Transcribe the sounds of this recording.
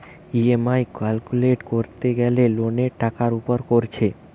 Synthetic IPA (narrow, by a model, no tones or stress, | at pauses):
iemajkalkuleʈkoɾt̪eɡɛleloneʈakaɾupoɾkoɾt͡ɕʰe